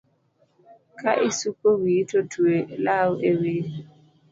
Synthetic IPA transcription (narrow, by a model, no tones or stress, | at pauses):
kʰaʔisukowiːtʰotʰuelawewe